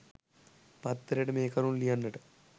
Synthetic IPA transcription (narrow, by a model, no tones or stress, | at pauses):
pɐt̪ːɐɾeʈɐmeːkɐɾunlijɐnːɐʈɨ